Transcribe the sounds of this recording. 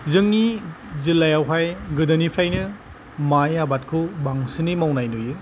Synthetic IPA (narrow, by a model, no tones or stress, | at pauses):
zɯŋni | zilːajawɦajɡɯdɐnipʰɾajnɯ | majabat̚kʰɯbaŋsɯnimawnajnojɯ